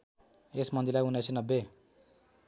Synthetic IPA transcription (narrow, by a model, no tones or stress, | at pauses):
esmʌnd̪ilajunesʰinʌbːe